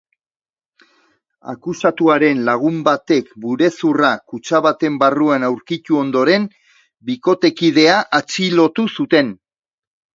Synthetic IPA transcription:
a̰kusat̪uaɾe̞nlaɣ̞umbat̪e̞kbuɾe̞surakut͡ʃaβat̪e̞mbaruanawɾkit̪uo̞nd̪o̞ɾe̞m | biko̞t̪e̞kið̞e̞aʔat͡ʃilo̞t̪usut̪e̞n

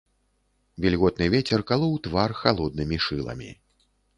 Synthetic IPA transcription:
vʲilʲɣɔt̪̚nɨvʲɛt͡sʲɛrkalˠɔwt̪varxalˠɔd̪nɨmʲiʂɨlˠɐ̰mʲḭ

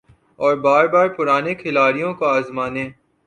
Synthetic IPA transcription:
ɔːɾbaːɾbaːɾpʊɾaːnekʰɪlaːɾijõkoaːzmaːnẽː

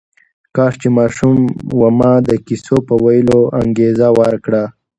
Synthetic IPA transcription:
kɑːʂt͡ʃemɑːʃumwamɑd̪əkisopəwajəloʔaŋɡezawaɾkɽa

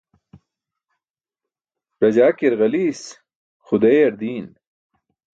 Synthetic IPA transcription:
ɾɐd͡ʑaːkeɾɣɐliːs | xud̪eɐɾd̪iːn

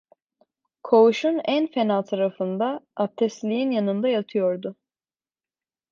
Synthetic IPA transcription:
kʰo̞uʃunænfenalˠt̪ʰaɾafɯnd̪aːp̚t̪ʰɛst̪lʲijinjanɯnd̪ajat̪ʰɯjo̞ɾd̪ʊ

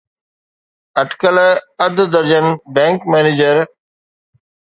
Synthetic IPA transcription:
ɐʈkəlɐd̪d̪əɾd͡ʑənbɛ̃ːŋkmɛːneːd͡ʑəɾ

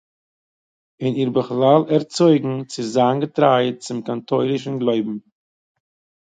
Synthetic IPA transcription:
ɪniɾbəχlˠalˠɛɾt͡sɔɪɡŋ̩t͡sɪzanɡətɾaɪt̚t͡sɪmkantʰoɪlˠɪʃ̬n̩ɡlˠoɪbm̩

